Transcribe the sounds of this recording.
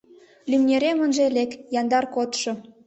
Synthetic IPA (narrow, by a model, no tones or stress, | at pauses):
lymnʲeɾemənʒelekjɑnd̪ɑrkot̪ʃŏ